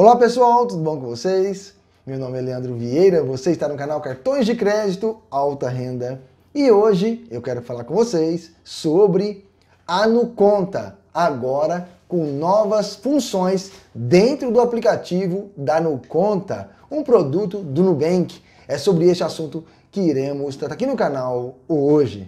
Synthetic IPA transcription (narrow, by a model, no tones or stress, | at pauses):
olapesuawt̪ud̪ʊbõw̃kõvosejs | mewnõmɪɛleɐ̃nd̪ɾʊviejɾɐvoseɪst̪anʊkanawkaɾt̪õj̃zd͡ʒɪkɾɛd͡ʒit̪ʊawt̪ɐɦẽnd̪ɐ | ɪoʒɪewkɛɾʊfalaɾkõvosejsː | obɾɪ | anukõnt̪ɐ | aɡɔɾɐkõw̃nɔvɐsfũsõj̃sd̪ẽnt̪ɾʊd̪ʊaplikat͡ʃivʊd̪ɐnukõnt̪ɐ | ũpɾod̪ut̪ʊd̪unubẽkɪ̥ | ɛsobɾɪest͡ʃɪasũnt̪ʊ | kɪiɾẽmʊst̪aɾakinʊkanawoʒɪ̰